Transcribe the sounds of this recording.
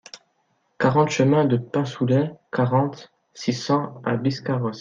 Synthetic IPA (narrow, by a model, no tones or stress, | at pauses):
kaʁɑ̃t̪ʃəmɛ̃d̪əpɛ̃sulɛkaʁɑ̃t̪ | sisɑ̃a̰biskaʁɔs